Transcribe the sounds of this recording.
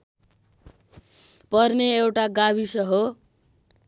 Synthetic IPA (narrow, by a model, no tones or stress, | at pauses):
pʌrneewʈaɡaβisʌɦo